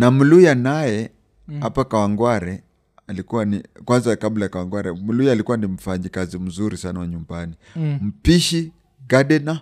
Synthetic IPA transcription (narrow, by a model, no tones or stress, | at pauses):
nam̩lujanajɛ | apakawaŋɡwaɾɛ | alikuwanikwanzakablajakawaŋɡwaɾɛmulujalikuwanim̩faɲɛkazim̩zuɾisanawaɲumbani | m̩piʃi | ɡadɛna